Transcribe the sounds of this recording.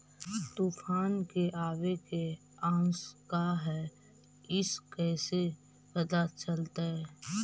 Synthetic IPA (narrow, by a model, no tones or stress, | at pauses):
t̪uːfʰaːnkeʔaːweke | ãːskaɦɛ | ɪskɛːse | pəd̪at͡ʃəlt̪aɦɛː